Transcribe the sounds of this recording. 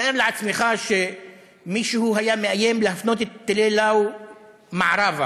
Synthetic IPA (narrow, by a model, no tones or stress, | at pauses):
aʔevleʕat͡smeχaʃe | miʃuhuɦajameʔajemlehafnot̪et̪ːelelaw | maʕɾˤava